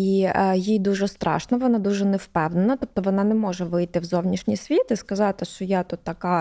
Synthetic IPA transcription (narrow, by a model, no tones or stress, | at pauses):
ijijd̪uʒɛst̪ɾɑ̰ʃnɐʋɔnɑd̪uʒɛnɛwpɛwnenɐt̪ɔp̚t̪ɔʋɔnɑnɛmɔʒɛʋɪjt̪ɪwzɔwnʲiʃnʲijsʲʋʲit̪ɪskɐzɑt̪ɪʃt͡ʃɔjɑt̪ut̪ːɐkɑ